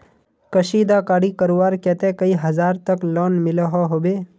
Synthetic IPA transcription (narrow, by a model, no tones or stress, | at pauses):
kəʃiːd̪akaːɽikəɾuʋaːɾkɛːt̪ekəiɦɐzaːɾt̪əklɔːnmɪləɦaɦobeː